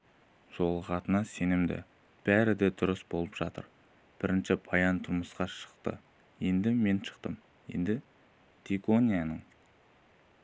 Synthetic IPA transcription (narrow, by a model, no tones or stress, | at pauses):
ʒ̥o̞lˠəqɑt̪ənɑse̞nɪmd̪ɪ̰ | b̥æɾɪd̪ed̪ʊɾəsbo̞lˠəpʒ̥ɑt̪ə̰ɾ | b̥ɪɾɪnʃɪpʰɑjɑnt̪ʰʊɾməsqɑʃə̥qt̪ə̰ | je̞nd̪ɪme̞nʃə̥qt̪əm | je̞̰nd̪ɪ | t̪ʰekonʲijɑnəɴ